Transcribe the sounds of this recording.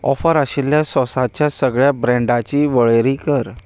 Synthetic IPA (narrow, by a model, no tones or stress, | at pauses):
ɔ̰fəɾaɕilːjasɔsat͡ɕjasəɡɭjabɾɛ̃ɳɖat͡ɕiːʋəɭeɾikəɾ